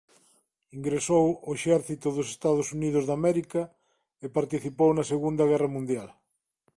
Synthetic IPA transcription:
iŋɡɾesowoeʃɛɾθit̪oðosest̪að̞osuniðozðamɛɾikɐ | epaɾt̪iθipownɐseɣund̪ɐɣɛrɐmũnd̪jal

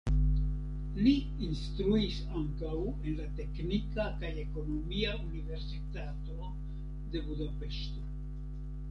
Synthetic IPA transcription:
liː | nst̪ɾuis | aŋkawe̞nlate̞knikakaje̞ko̞no̞miaunive̞ɾsitato̞ | d̪e̞budape̞ʃto̞

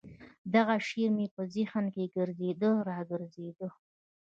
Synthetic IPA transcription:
d̪aɣaʃeɾmepəzixankeɡəɾzed̪əɾɑɡəɾzed̪ə

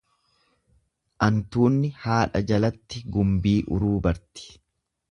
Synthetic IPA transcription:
ʔɐnt̪uːnːɪhaːᶑɐd͡ʒɐlɐt̪ːɪɡʊmbiːʔʊ̰ɾuːbɐɾt̪ɪ̥

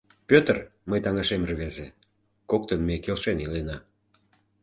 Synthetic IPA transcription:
pʲøt̪ərməjt̪ɑŋɑʃemrβeze | kok̚t̪ənmekelʃenilenɑ

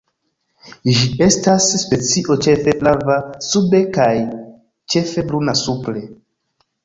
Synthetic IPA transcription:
ʒie̞stasːpe̞t͡siʔo̞t͡ʃe̞fe̞plavasube̞kaj | t͡ʃe̞fe̞blunasuple̞

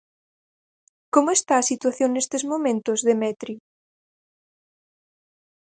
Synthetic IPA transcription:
komoest̪aːsit̪waθjoŋnest̪ezmomẽnt̪ozðemɛt̪ɾi

